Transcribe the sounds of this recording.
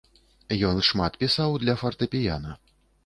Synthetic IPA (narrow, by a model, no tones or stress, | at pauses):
jɔnʂmat̪pʲisawd̪lʲɐfɐrt̪ɨpʲija̰nɐ